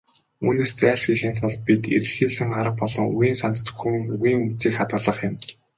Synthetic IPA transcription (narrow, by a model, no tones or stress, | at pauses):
ṵːneːst͡sæːɮsɡixɘ̆nt̪ʰɔɮpit̪ḭɾɘ̆ɮxiːɮɘ̆ŋχaɾə̆q̚pɔɮɞ̆ŋṵwiːnsant̪t͡sɵ̥̆xɘ̆ŋuɣiːŋut͡siːkχat̪̚ɢə̆ɮə̆χjɪ̆m